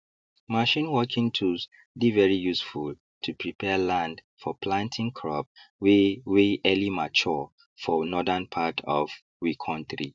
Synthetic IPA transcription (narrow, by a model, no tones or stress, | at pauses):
maʃĩnwɔkʰĩŋtʰus | divɛɹijusful | tʰupʰɹipʰɛlãnd | fɔpʰlãntʰɪ̃ŋkʰɹɔ̰p̚wweʔɛlimat͡ʃɔ | fɔnɔðənpʰatʰɔv | wikʰɔ̃nθɹḭ